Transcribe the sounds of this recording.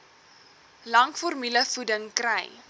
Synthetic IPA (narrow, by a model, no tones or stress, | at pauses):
lɐŋkfɔrmyləfudəŋkrɛj